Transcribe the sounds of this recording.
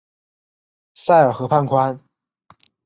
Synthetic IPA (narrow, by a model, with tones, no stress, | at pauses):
sa˥˩ɪə˞˨˩xɤ˧˥pʰa˥˩nkʰwa˥n